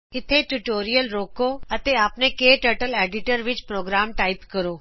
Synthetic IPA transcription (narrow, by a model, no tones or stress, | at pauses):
kɪt̪ʰeʈuʈoːɾijəlɾoːkoɐt̪eaːpnekeːʈəːɾʈəleːɖɪʈəɾʋɪt͡ɕpɾoːɡɾaːmʈaːɪpkɐɾoː